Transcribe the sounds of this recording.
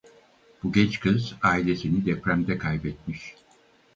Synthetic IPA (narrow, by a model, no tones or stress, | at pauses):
b̥uɟʲɛt͡ʃkʰɯzaːilʲe̞sinid̪ɛpɾæmd̪ɛkʰajbɛt̪̚miʃ